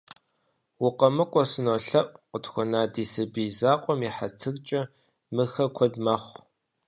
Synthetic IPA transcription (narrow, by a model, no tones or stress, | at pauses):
wʊqɐmɨkʷʼɔsɨnoɬɐʔʼqʷʊtxʷɔnaːdiːsɨbiːzaːqʷʼɔmiħatʰɨɣt͡ʃʼɐ | mɨxɐkʷʰɔdmɐχʷ